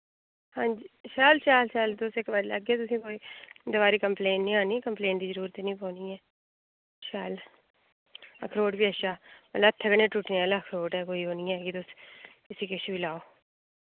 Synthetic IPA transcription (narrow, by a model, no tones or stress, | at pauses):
hãːnd͡ʒiːʃaːlʃaːlʃaːlt̪ʊsekʋələ̰ɡɛːt̪ʊsĩːkoːiːd̪əʋaːɾikəmpleːnʈnĩːaːnikəmplẽːnʈd̪iːzəɾuːɾət̪iːnĩːpõːniːɛː | ʃaːl | ə̰kʰɾoːʈbiːəʃaːmələt̪ʰːəɡəneːʈuʈnealəkʰɾoːʈɦɛːkoːiːɦoːniɛɛːɡit̪ʊskɪsĩːkɪʃbilaːoː